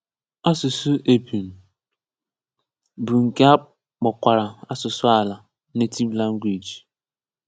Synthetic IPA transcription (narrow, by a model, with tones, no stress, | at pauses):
a˦sʊ˨su˦ʔe˨pi˨m̩˨ | bu˨ŋ̩˨ke˦a˦ | k͡pɔ˨kʷa˨ɾa˨a˦sʊ˨sʊ˦a˦la˨ | ne˦ti˦vla˦ŋ̩˦ɡʷwi˨d͡ʒ